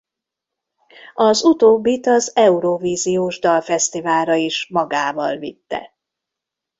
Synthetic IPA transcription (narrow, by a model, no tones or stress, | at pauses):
ɒzut̪oːbːit̪ɒzɛuɾoviːzioːʒd̪ɒlfɛst̪ivaːlɾɒiʃmɒɡaːvɒlvḭt̪ːɛ̰